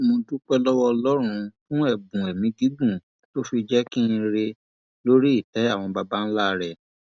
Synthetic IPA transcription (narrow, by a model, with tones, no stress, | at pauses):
mo˧du˦k͡pɛ˦lɔ˦wɔ˦˧lɔ˦ɾ̃ũ˧fũ˦ɛ˦˨bũ˨ɛ˨mĩ˨˦ɡi˨˦ɡ͡bũ˦˨ | to˦fi˧d͡ʒɛ˦kĩ˦ĩ˧ɾe˧ | lo˦ɾi˦i˦˨tɛ˨˦a˦˨w̃ɔ̃˧ba˧ba˦n̩˦la˦˧ɾɛ˨